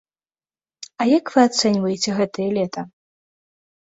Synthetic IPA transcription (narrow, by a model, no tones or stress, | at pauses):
ɐjakv̥ɨat̪sɛnʲvɐjɛt͡sʲɛɣɛt̪ɐjɛlʲɛt̪ʰɐ